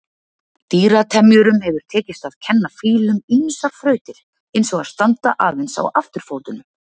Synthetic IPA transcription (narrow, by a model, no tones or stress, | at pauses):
t̪iːɾat̪ʰɛmjʏɾʏmhɛvʏɾ̥t̪ʰɛːcɪst̪að̥cʰɛnːafiːlʏminsḁfɾœːɥt̪ɪɾ̥ | ensɔɣað̥st̪ant̪aʔaːvɪnsa̰waft̪ʏɾ̥foːwt̪ʏnʏ